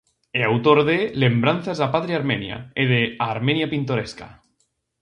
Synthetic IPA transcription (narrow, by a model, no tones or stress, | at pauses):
eawt̪oɾðelembɾan̟θazapaðɾiaɾmenja̰eðeaɾmenjapint̪̬oɾeska̰